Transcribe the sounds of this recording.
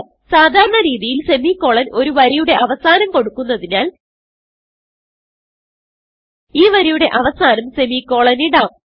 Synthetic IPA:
saːd̪ʱaːɾɐɳɐɾiːðijilse̞miːkːo̞ːɭɐno̞ɾuʋɐɾijuɽe̞ʔɐʋɐsaːnɐmko̞ɽukːunːɐðinaːl | iːʋɐɾijuɽe̞ʔɐʋɐsaːnɐmsemikːo̞ːɭɐniɽaː

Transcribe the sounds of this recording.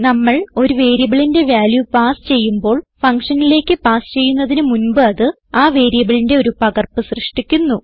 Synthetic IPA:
nɐmːɐɭo̞ɾuʋe̞ːɾjɐbɐɭinde̞ʋjaːljupaːsɨ̥t͡ɕe̞jːumbo̞ːɭfɐŋkʂɐnile̞ːkʲːɨpaːsɨ̥t͡ɕe̞jːunːɐðinɨmunbɨɐðɨ | aːʋe̞ːɾijɐbɐɭinde̞o̞ɾupɐɡɐrpɨsrɨʂʈikʲːunːu

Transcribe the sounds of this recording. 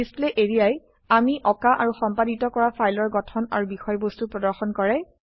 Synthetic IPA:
isleʔeɹijaj | amiʔɔkaʔaɹuxɔmpaditɔkɔɹapʰajlɔɹɡɔtʰɔna̰ɹubixɔjbostupɹɔdɔɹxɔnkɔɹɛ

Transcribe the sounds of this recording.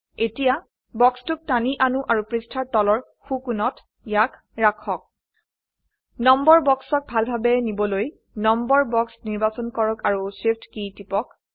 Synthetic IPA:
etija | bɔkstʊk̚taniʔanuʔaɹupɹistʰaɹtɔlɔɹ | xukunɔt | jakʰ | ɹakʰɔk̚ | nɔmbɔɹbɔksɔk̚bʱalbʱabɛnibɔloj | nɔmbɔɹbɔksniɹbasɔnkɔɹɔkaɹusepʰtkitipɔk

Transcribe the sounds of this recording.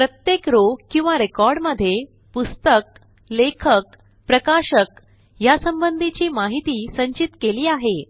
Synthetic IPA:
pɾət̪jekɾokĩw̃ʋaɾekɔɾɽməd̪ʱːje | pust̪ək̚ | lekʰək | pɾəkaɕək | jasəmbənd̪ʱit͡ɕiːmaɦit̪iːsəɲt͡ɕit̪keliːaɦe

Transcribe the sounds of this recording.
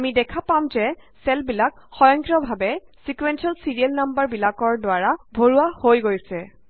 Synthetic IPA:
amidɛkʰapamzɛsɛlbilakxɔjɔ̃ŋkɹɔbʱabɛsikwɛnsɔlsiɹiɛlnambaɹbilakɔɹdwaɹabʱoɹuahojɡojsɛ

